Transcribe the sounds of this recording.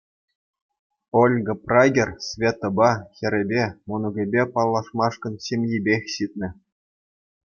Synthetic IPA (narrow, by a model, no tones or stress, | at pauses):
olʲɡɤ̆prɑɡʲĕrʲsvʲet̪ːŏbɑxʲɘ̆ɾʲɘ̆bʲemunŭɡʲĕbʲepɑlˠːɑʂmɑʂkɤ̆nɕemʲjibʲexʲɕit̪̚ʲnʲɘ̆